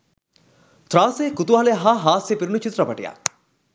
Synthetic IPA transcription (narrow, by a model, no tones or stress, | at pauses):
t̪ɾaːseːkut̪uʋaːleɦaɦaːsepiɾunut͡ʃit̪ɾɐpɐʈija̰